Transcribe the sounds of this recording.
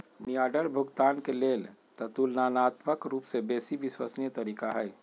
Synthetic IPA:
nijaːɖəɾbʱʊɡt̪aːnkeleːlt̪ɐt̪uːlnaːnaːt̪məkɾuːpsebeːsiʋɪswəsnjət̪ɐɾiːkaɦɛj

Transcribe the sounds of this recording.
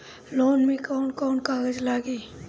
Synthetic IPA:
loːnmẽkɔːnkɔːnkaːɡəd͡ʒlaːɡiː

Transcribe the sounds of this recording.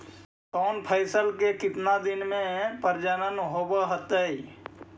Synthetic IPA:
kɔːnpʰəɪsəlkekɪt̪nad̪ɪnmẽpəɾd͡ʒənənɦoːbəɦət̪əi

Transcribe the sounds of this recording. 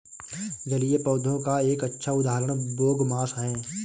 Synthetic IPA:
d͡ʒɐlɪepɔːd̪ʱõkaeːkətːʃʰaʊd̪aːɦɾəɽ̃boːɡmaːsɦɛ̃ː

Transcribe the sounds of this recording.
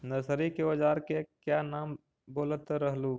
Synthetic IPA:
nəsəɾikeəd͡ʒaːɾkekjanaːm | boːlət̪ɾəɦluː

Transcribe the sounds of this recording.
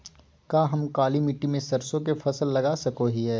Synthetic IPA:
kaːɦɐmkaːlimɪʈːimẽsɐɾsõkefʰɐsəlːɐɡaːsɐkoɦiɦɛː

